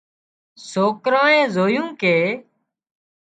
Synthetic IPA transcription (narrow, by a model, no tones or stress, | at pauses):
soːkɾãːẽːzoːjũːkeː